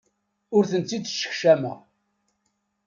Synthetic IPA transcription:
ʊɾθənt͡sːid̪ʃːə̥çʃæmæ̰

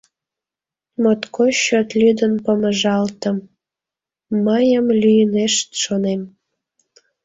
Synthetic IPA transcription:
mot̪koɕot̪lʲyd̪ənpəməʒɑlt̪ə̆m | əjəmlʲyjəneʃt̪ʃonem

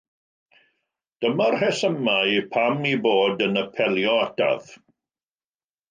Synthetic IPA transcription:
d̥əmarhɛsəmajpʰamiboːdənəpʰɛlˠjɔata̰ð̥

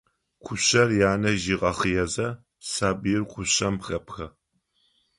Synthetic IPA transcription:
kʷʰʊɕɐrjaːnɐʒiʁɐχəjɛzɐ | saːbɨjɪrqʷʰʊɕɐmxɐpxɐ

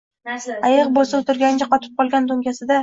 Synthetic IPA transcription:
ajɨqbosɪlt̪ʊɾɡʲand͡ʒʲaqɒt̪ʰɪ̥p̚qʰɒlˠɡʲand̪oŋɡʲasɪd̪a

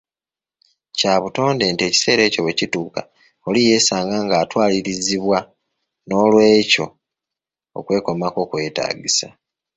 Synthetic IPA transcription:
caːβuto̞ːnde̞ntie̞ːci̥se̞ːɾe̞ːco̞we̞cituːka | olije̞ːsaːŋɡaŋɡaːtwaːliɾiziβwa | no̞ːlwe̞ːco̞ | o̰kwe̞ːko̞mako̞kwe̞ːta̰ːɟisa

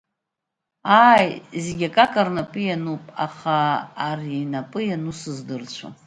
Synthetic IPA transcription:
aːjzeɡʲakʼakʼarnapʼɨjanupʼa̰χaːriinapʼɨjanusɨzdɨrt͡ɕʷʰa̰

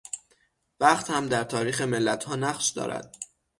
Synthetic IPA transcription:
væχt̪hæmd̪æɾt̪ʰɒːɾiːxemelːæt̪ʰhɒːnæχʃd̪ɒ̰ːɾæ̰d̪̥̚

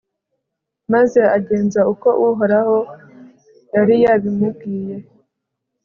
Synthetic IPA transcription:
maze̞aɟe̞ːnzauko̞ʔuɦoɾaho̞ | jaɾijaβimub̚ɡiːje̞

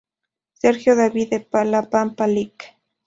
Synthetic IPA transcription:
seɾxjoðabid̪epalapampalɪkḁ

